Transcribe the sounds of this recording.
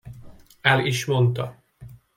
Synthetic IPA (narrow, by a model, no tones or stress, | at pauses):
ɛliʃmo̞nt̪ɒ